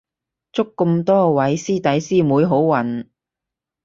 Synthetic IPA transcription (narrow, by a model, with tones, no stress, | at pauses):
t͡sʊ˥kːɵ˧mt̪ɔː˥wɐ˨˥jsiː˥t̪ɐ˨˥jsiː˥muː˨˧jɦo˨˥wwɐ˨˩n